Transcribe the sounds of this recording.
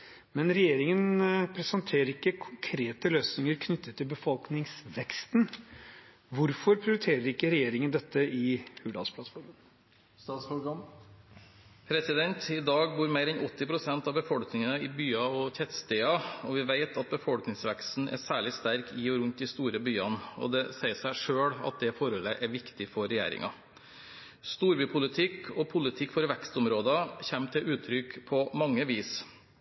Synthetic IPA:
mɛnɾɛjeːɾɪŋənpʰɾɛsɑnt̪ʰeːɾəɾɪkːəkʰʊŋkʰɾeːt̪əløːsnɪŋəɾkʰnʏt̪ʰːət̪ʰːɪlbəfɔlknɪŋsʋɛkst̪n | ʋʊɾfɔɾpʰɾɪʊɾɪt̪ʰeːɾəɾɪkːəɾɛjeːɾɪŋənd̪ɛt̪ːəɪhʉːd̪ɑ̰spʰlɑt̪fɔɾmən | st̪ɑːt̪sfɔɡɑn | pʰɾɛsɪd̪ɛnt̪ɪd̪ɑːɡ̚buːɾmeɪɾɛnɔt̪ːɪpʰɾʊsɛnt̪ɑʋbəfɔlknɪŋənəɪbyːɑɔçɛt̪st̪eːɑɔʋɪʋeɪt̪ʰɑt̪̚bəfɔlknɪŋsʋækst̪n̩ʔæ̰sæːɭɪst̪æɾkʰɪɔɾʉnt̪̚d̪ɪst̪uːɾəbyːɑnɔ̰d̪ɛsæɪsæɪʂøːɽɑ̰t̪̚d̪ɛfɔɾɔlːəʔæɾʋɪkt̪ɪfɔɾɛjæ̰ːɾɪ̰ŋɑ | st̪uːɾbyːpʰʊlɪt̪ʰɪkːʰɔpʰʊlɪt̪ʰɪkːfɔɾʋɛkst̪ɔmɾoːd̪ɑçɛmːt̪ʰɪlʉːt̪ʰɾʏkpʰɔmɑŋːəʋiːs

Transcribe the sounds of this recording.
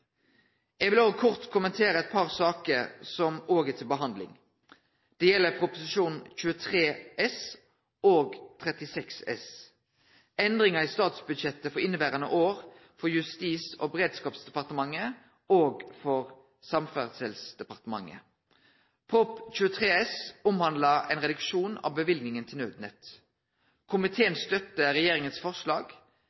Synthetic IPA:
ɛːɡʋɪloːʋəkʰʊʁt̪kʰʊmənt̪ʰeːʁəɛt̪̚pʰɑʁsɑːkəɾsɔmoːɡət̪ʰɪlbəɦɑnd̪lɪ̰ŋ | d̪̥ɛjɛlːəpʰʁʊpʊsɪʃuːnc͡çʉːət̪ʰʁeːʔɛs | ʔoːɡt̪ʰʁɛt̪ɪsɛksɛ̰s | ɛnd̪ʁɪŋɑist̪ɑːt̪sbʉd̪ʃɛt̪ːəfɔʁɪnːəbæːʁɑnə̰ʔoːʁfɔjʉst̪iːso̰ːbəʁeːd̪skɑːpsd̪ɛpɑʁt̪əmɑŋːə | oːɡfɔʁ | sɑmfæʁd̪sɛlsd̪̥ɛpɑʁt̪əmɑ̰ŋːə̰ | pʰɔpc͡çʉːət̪ʰʁeːɛsʊmhɑnd̪lɑɛ̰ɪnʁɛd̪ʉkʃuːnɑ̰ːʋbəʋɪlɡnɪŋənt̪ʰɪlnøːd̪nɛt̪ | kʰʊmɪt̪ʰeːənst̪œt̪ːəʁɛjeːʁɪŋənsfɔʁʂlɑːɡ

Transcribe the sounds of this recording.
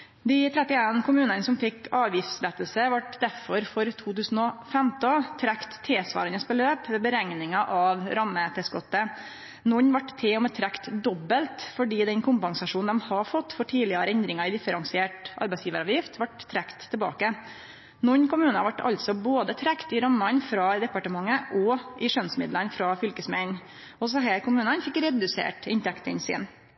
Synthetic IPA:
d̪ɪt̪ʰɾɛt̪ːɪeːnkʰʊmʉːnənəsɔmfɪkɑːʋjɪft̪slɛt̪ːəlsəʋɑʈd̪æɾfɔɾfɔɾt̪ʰuːt̪ʉːsn̩ɔfɛmt̪ɔt̪ʰɾækt̪ʰːeːsʋɑ̰ːɾənəsbəløːpʋɛːbəɾæŋnɪŋɑʔɑʋɾɑmːət̪ʰɛskɔt̪ːə | nʊnʋɑʈt̪ʰːeːɔmɛt̪ʰɾækt̪d̪ɔbːəlt̪fɔɖiːd̪ɛnkʰʊmpɑŋsɑʂuːn̩d̪ɛmhɑfɔt̪ːfɔʈʰiːlɪəɾəɛnd̪ɾɪŋɑɪd̪ɪfəɾɑŋsɪeːʈʔɑ̰ɾbɛɪsjiːʋəɾɑːʋjɪft̪ʰʋɑʈt̪ʰːɾækt̪ʰːɛbɑ̰ːkə | nʊnkʊmʉːnɑʋɑʈːɑ̰lt̪sɔboːd̪ət̪ʰɾækt̪ɪɾɑmːɑnfɾɑd̪ɛpɑʈəmɑŋːəʔɔʔɪʂœnsmɪ̰d̪lənfɾɑfʏlkəsmɛn | ɔs̬ɔɦæːɾkʊmʉːnənfɪkɾɛd̪ʉsḛːʈɪnt̪ʰɛkt̪ə̰nsɪ̰ːn

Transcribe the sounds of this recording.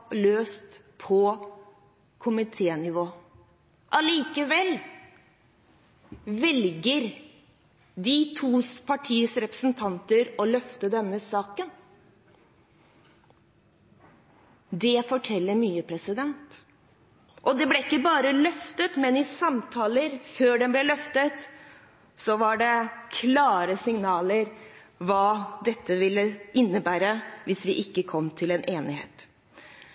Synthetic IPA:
løːst̪ | pʰɔ | kʰʊmɪt̪ʰeːnɪʋoː | ʔɑliːkəʋɛl | ʋɛlɡəɾ | d̪ɪt̪ʰuːspʰɑʈʰiːəsɾɛpɾə̥snt̪ʰɑnt̪əɾɔlœft̪əd̪ɛmːəsɑːkən | d̪ɛfɔʈʰɛlːəɾmyːəpʰɾɛsɪd̪ɛnt̪ | ʔɔd̪ɛblɛɪkːəbɑːɾəlœft̪ət̪mɛnɪsɑmt̪ʰɑːləɾføːɖɛnblɛlœft̪ət̪ | sɔʋɑɖɛkʰlɑːɾəsɪŋnɑːləɾ | ʋɑːd̪ɛt̪ːəʋɪlːəɪnːəbæːɾəʋɪsʋɪʔɪkːəkʰɔmːt̪ʰɪlɛnʔeːnɪhḛːt̪

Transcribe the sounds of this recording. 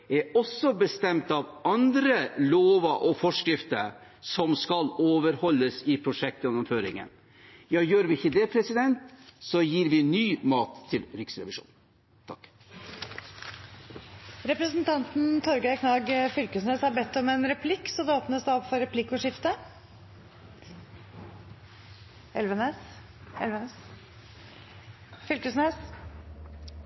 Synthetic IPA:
ɛɔsːɔbəst̪ɛmt̪ɑʋɑnd̪ɾəloːʋəʔɔfɔʂkɾɪft̪ə̰ɾ | sɔmskɑloːʋəɾhɔlːəsɪpʰɾʊʂɛk̚t̪jɛnːʊmføːɾɪ̰ŋə̰n | jɑːjøːɾʋɪɪçəd̪ɛpʰɾɛsɪd̪ɛnt̪sɔjiːɾʋɪnyːmɑːt̪ʰːɪlɾɪksɾɛ̰ʋɪʂṵːn | t̪ʰɑk | ɾɛpɾəsnt̪ʰɑnt̪n̩t̪ʰɔɾɡəkʰnɑːɡfʏlkəsneːshɑɾbɛt̪ːɔmɛnɾɛpʰlɪkːsɔmd̪ɛoːpnəsd̪ɛɔpfɔɾɛpʰlɪkːʊʂɪft̪ə | ɛlʋəneːs | ɛ̰lʋənəs | fʏlkəsneːs

